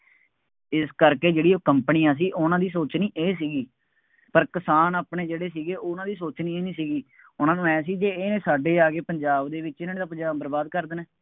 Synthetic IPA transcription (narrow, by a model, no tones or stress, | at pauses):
ɪskəɾkeːd͡ʒeːɽiːoːkəmpəniːãːs̬iːʔʊnãːd̪iːsoːt͡ʃniːʔeːs̬iːɡiː | pəɾkɪsaːnaːpneːd͡ʒeːɽeːsiːɡeːʔoːnãːd̪iːsoːt͡ʃniːeːnĩːsiːɡiː | ʊnãːnũːɛːsiːd͡ʒeːnẽːsaːɖeːaːɡeːpəɲd͡ʒaːbd̪eːʋɪt͡ʃɪnãːneːd̪aːpəɲd͡ʒaːbəɾbaːd̪̚kəɾd̪nɛː